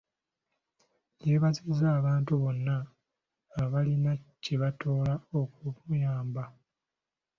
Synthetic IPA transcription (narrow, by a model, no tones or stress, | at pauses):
jeβazizaːβaːntuβo̞nːaː | βalinaciβatoːlaokuβujaːmba